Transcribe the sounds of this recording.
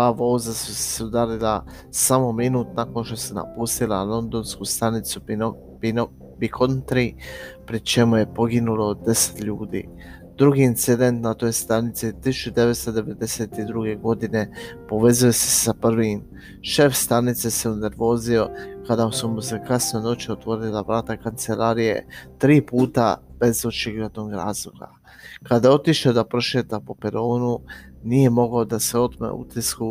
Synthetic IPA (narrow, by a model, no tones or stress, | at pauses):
aʋo̞ːzasuse̥sud̪alila | samo̞minuːt̪nako̞nʃt̪o̞sena̰pust̪ila̰lo̞nd̪o̞nskuːst̪anit̪su | bikʰont̪ɾipɾit͡ʃe̞muje̞po̞ɡinulo̞d̪e̞se̥t̪ʎuːd̪ḭː | d̪ɾuɡiːnt̪sid̪e̞nt̪nat̪o̞jst̪anit̪sit̪isu̥t͡ʃud̪e̞ʋet̪st̪od̪e̞ʋe̞d̪e̞se̞ːt̪id̪ɾuɡe̞ɡo̞d̪ine̞po̞ʋe̞zujose̞sapr̩ʋim | ʃe̞fst̪anit̪se̞se̞une̞ɾʋo̞ːzio̞kad̪asumusekasnono̞t͡ʃiot̪ʋo̞ɾilˠaʋɾaːt̪akant̪se̞laɾije̞̰t̪ɾiːpuːt̪a̰b̥e̞zo̞t͡ʃiɡle̞d̪no̞ɡɾa̰ːzlˠoɡa̰ | kad̪ajeo̞t̪iʃad̪apɾoʃet̪apo̞peɾoːnu | nije̞mo̞ɡaod̪ase̞o̞t̪mḛṵt̪isku